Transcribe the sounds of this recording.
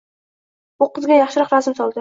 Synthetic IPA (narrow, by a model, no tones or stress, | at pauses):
bʊqɨzɡʲajɑχʃɪɾɒqɾɒzɪmsɒlˠd̪ɪ